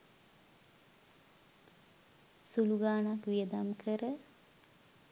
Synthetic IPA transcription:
suluɡaːnakʋijəd̪amkʰəɾə

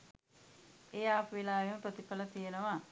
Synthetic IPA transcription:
ejaːpʋilaːʋeməpɾot̪ipɐlət̪ijenəʋa

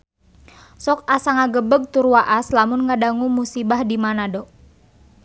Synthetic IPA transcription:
sɔk̚asaŋaɡəbəɡ̚t̪uɾuwaʔaslamʊnŋadaŋumusibahdimanadɔ

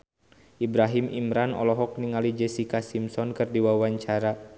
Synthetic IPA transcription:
ʔibɾaɦimimɾanɔ̰lɔɦɔk̚niŋalid͡ʒɛsikasimsɔnkɨrdiwawaɲt͡ʃaɾa

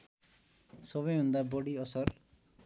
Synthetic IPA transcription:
sɔβɔjɦũnd̪abɔɽiʌsʌr

